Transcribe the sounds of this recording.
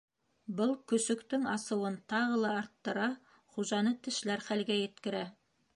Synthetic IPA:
bɤlˠkɵ̆sɵ̆kt̪ɵŋɑsɤ̆wɤnt̪ɑʁɤ̆lˠɑɑɾt̪ːɤ̆ɾɑ | χuʒɑnɤt̪ɘ̆ʃlæɾχælɡæjɘ̆t̪kɘ̆ɾæ

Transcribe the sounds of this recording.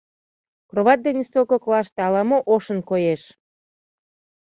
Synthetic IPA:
kroβɑt̪̚d̪enest̪okoklɑʃt̪eɑlɑmoʔoʃənkojeʃ

